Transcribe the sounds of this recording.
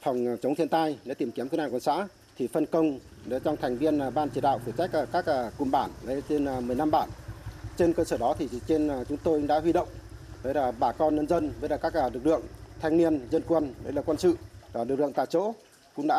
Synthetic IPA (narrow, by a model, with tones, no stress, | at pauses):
fɔ˨˩wŋ͡mt͡ɕə˨˦ŋ͡mt̪ʰi˧ənt̪aː˧jɗe˧˦t̪i˨˩mki˨˦mkːnaː˧˨˩kwə˧˩nsa̰ː˧˥ | t̪ʰi˨˩fə˧˩nkə˧wŋ͡m | ɗe˨˦t͡ɕɔ˧wŋ͡mt̪ʰɛ˨˩jŋ̟vi˧ənː˨˩ɓaː˧nt͡ɕi˧˩ɗa̰ː˧˨wfu˧˩t͡ɕa˦˥jk̚ːkaː˦˥k̚ʔəː˧˩kʊ̰˨˩mɓaː˧˩nlə˨˦t͡ɕe˧n˨˩mɨ˨˩əjna˧mɓaː˧˩nt͡ɕe˧nkəː˧səː˧˩ɗɔ˨˦t̪ʰi˨˩˨t͡ɕe˧n˨˩t͡ɕʊ˨˦ŋ͡mt̪o˧jɗa̰ː˧˥ɦwi˧ɗə̰˧˨wŋ͡mvəː˨˦jlaː˨˩ɓaː˧˩kɔ˧nɲə˧nzə˧nvəː˨˦jlaː˨˩kaː˦˥k̚ʔaː˧˩lɨ˨˩k̚lɨ̰˧˨əŋt̪ʰa˧jŋni˧ənzə˧nkwə˧nɗə˨˦jlaː˨˩kwə˧nsɨ̰˧˨a˨˩lɨ˨˩k̚lɨ̰˧˨ŋt̪a̰ː˧˨t͡ɕo̰˧˥ | kʊ̰˧˥ŋ͡mɗa̰˧˥